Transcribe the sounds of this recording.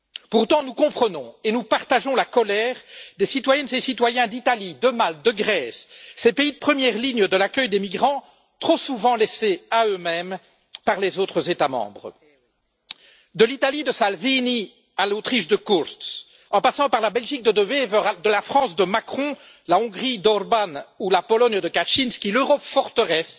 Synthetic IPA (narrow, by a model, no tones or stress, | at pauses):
puʁt̪ɑ̃nukɔ̃pχənɔ̃enupaʁt̪aʒɔ̃lakɔlɛːʁd̪esit̪wajɛnzesit̪wajɛ̃d̪it̪alid̪əmald̪əɡʁɛsːepeid̪əpχəmjɛʁliɲəd̪əlakʲœjd̪emiɡʁɑ̃ | t̪χosuvɑ̃leseaømɛm | paʁlezot̪χəzet̪amɑ̰̃ːbʁə | d̪əlit̪alid̪əsalvini | alot̪χiʃd̪əkuʁt̪s | ɑ̃pasɑ̃paʁlabɛlʒik̚d̪əd̪əvevəʁad̪əlafχɑ̃sd̪əmakχɔ̃ | laɔ̃ɡʁid̪ɔʁbanulapɔlɔnd̪əkaʃinskʲiløʁɔpfɔʁt̪əʁɛs